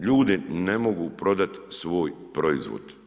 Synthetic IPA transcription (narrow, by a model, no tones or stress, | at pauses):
ʎuːd̪inemoɡupɾo̞d̪at̪sʋoːjpɾoizʋo̰d̪̥